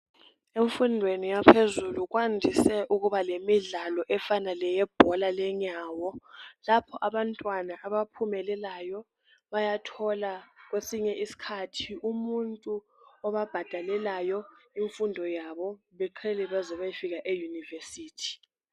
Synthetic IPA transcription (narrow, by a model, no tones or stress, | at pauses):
eɱfundʱwenijapʰezuluɣwandʱisɛʔuɣuβalemiɮalɔʔɛfanalɛjɛb̥ʱɔlalɛɲaːwɔlapʰɔʔaβantʼwanaʔaβapʰumɛlɛlajɔ | βajatʰɔlaɣwesiɲɛʔisi̥kʰatʰiumuntʼu | ɔβab̥ʱad̥ʱalɛlajɔiɱfundʱɔjaβɔ | βɛǃʰɛlɛβazɔβajifiɣaʔejunivesiːtʰi̥